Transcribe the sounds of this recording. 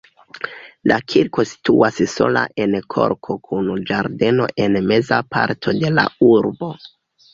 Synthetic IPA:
lakʰiɾko̞si̥tuasso̞̰la̰ʔe̞nkʰo̞̰ɾkʰo̞kʰund͡ʒaɾde̞no̞̰ʔe̞nme̞zapʰaɾtʰo̞de̞la̰uɾbo̞

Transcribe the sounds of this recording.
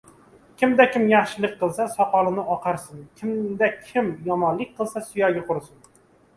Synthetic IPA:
kʲɪmd̪akʲʰɪmjɑχʃɪlˠɪk̚ʲqʰːɨlˠsasɒqʰɒlˠɪnɪʔɒqʰɑɾsɪnkʲʰɪmd̪akʲʰɪmjɒmɒnlːˠɪk̚ʲqʰɨlˠsasʊjɒɡʲaqʰʊɾsɪn

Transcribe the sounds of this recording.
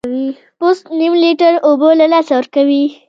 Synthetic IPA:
wi | pʊst̪nimliʈəɾobolalɑsawəɾkawi

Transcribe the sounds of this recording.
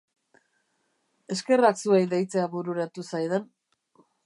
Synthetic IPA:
e̞ske̞raksuejðejt͡seaβuɾuɾat̪usajðen

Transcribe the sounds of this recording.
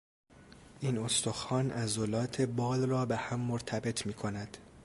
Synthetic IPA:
ʔiːno̞st̪o̞xɒːnæzolɒːt̪ʰe̞bɒːlrɒːbehæmːoɾt̪ʰæbe̞t̪ʰmiːkʰo̞næd̪̥

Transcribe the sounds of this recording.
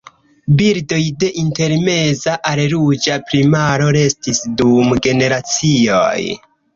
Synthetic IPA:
biɾdo̞jde̞ʔinte̞ɾme̞zaʔaɾɾud͡ʒapɾimaɾo̞ɾe̞stisdumɡe̞ne̞ɾat͡sio̰j

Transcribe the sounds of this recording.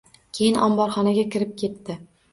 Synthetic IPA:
kʲʰe̞jɪnʔɒmbɒɾχɒnaɡʲakʲɪɾɪp̚kʲʰe̞t̪ːɪ

